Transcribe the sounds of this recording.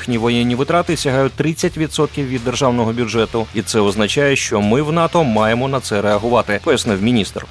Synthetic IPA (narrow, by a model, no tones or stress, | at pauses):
xnʲiʋɔjɛnʲːiʋɪt̪ɾɑt̪ɪsʲɐɦɑjʊt̚ʲt̪ɾɪt͡sʲːɐtʲʋʲid̪sɔt̪̚kʲiwʋʲid̪ːerʒɑwnɔɦɔbʲʊʐɛt̪ʊit̪sɛɔznɐt͡ʃɑjɛʃt͡ʃɔmɪwnɑt̪ɔmɑjemɔnɐt̪sɛɾeɐɦʊʋɑt̪ɪpɔjɐsnɪwmʲinʲist̪r